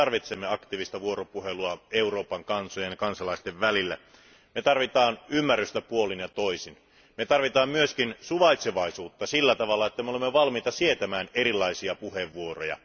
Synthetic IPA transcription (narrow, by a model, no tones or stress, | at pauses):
ɑrʋit̪semːeɑkt̪iːʋist̪æʋuo̞ɾopuheluɑeuro̞ːpɑŋkɑnsojɑnkɑnsɑlɑist̪eʋʋælilːæ̰ | met̪ɑrʋit̪ɑːnymːærːyst̪æpuolinjɑt̪oisin | met̪ɑrʋit̪ɑːmmyøskinsuʋɑit̪seʋɑisuːt̪ːɑsilːæt̪ɑʋɑlːɑet̪ːæmeolemːeʋɑlmiːt̪ɑsiet̪æmæːneɾilːˑɑisiɑpuheʋːuorojɑ̰